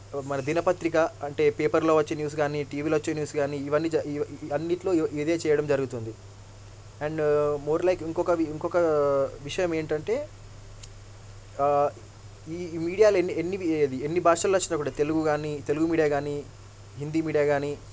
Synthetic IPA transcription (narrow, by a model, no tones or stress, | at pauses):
mɐnɐd̪inɐpɐt̪ɾikɐɐɳʈe̞ːpeːpɐɾloːʋɐt͡ʃːeːnjuːs̬ɡaːniʈiːʋiːloʋɐt͡ʃːeːnjuːsɡaːniːʋɐnːiːd͡ʒɐiɐnːiʈlo̞ːʔid̪eːt͡ʃɛːjɐɽɐmd͡ʒɐɾuɡut̪und̪i | ɛɳɖmoːɾlɐjkiŋkɔkɐʋiiŋkɔkɐʋiʂɐjɐme̞ːɳʈɐɳʈe̞ː | iːmiːɽijaːlenːenːiʋɐd̪ienːibʱaːʂɐlɐt͡ʃːinɐkːuːɽat̪e̞luɡuɡaːnit̪e̞luɡumiːɽijaːɡaːni | ɦind̪iːmiːɽijaːɡaːni